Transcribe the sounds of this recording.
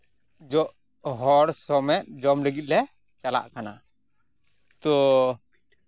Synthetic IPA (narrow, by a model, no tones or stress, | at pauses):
d͡ʒɔʔ | ɦɔɾsɔmɛt̪̚ˀd͡ʒɔmləɡit̪̚lɛ | t͡ʃala̰ʔkana | t̪ɔ